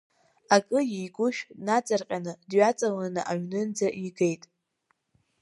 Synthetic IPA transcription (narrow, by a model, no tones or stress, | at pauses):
akʼɨjejɡʷʊʃᶣnat͡sʼarqʲʼanɨdɥat͡sʼalanɨʔaɥnɨnd͡zaʔiɡe̞jtʼ